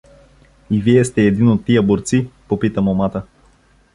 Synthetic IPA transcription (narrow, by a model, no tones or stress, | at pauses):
iviɛst̪ɛːd̪inot̪ːijəboɾt̪sipopit̪əmomat̪ə